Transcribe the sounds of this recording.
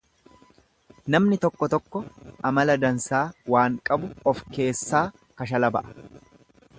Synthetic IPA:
nɐmnɪt̪ɔkːɔt̪ɔkːɔʔɐmɐlɐd̪ɐnsaːwaːŋkʼɐbʊɔfke̞ːsːaː | kɐʃɐlɐbɐ̰ʔɐ̥

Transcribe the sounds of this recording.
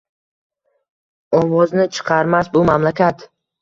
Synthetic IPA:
ɒvɒznɪt͡ʃʰɨ̥qʰɑɾmasbʊmamlakʲat̪

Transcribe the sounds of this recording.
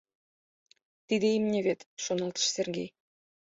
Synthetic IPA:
t̪id̪ĕimnʲeβʲet̪ʃonɑlˠt̪ə̥̆ʃsʲerɡʲḛj

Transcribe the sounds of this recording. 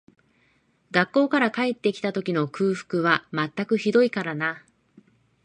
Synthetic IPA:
ɡakːo̞ːkaɾakae̞t̪ːe̞kʲi̥t̪at̪o̞kʲino̞kʰɯ̟ːɸɯ̟̥kɯ̟βamat̪ːakɯ̟çid̪o̞ikaɾana

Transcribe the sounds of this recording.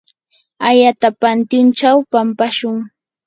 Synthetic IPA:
ajat̪apant̪jʊnt͡ʃawpampaʃʊŋ

